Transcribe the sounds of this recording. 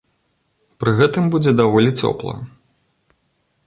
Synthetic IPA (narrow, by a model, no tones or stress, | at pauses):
pɾɨɣɛt̪ɨmbud͡zʲɛd̪avɔlʲit͡sʲɔ̰plˠɐ̰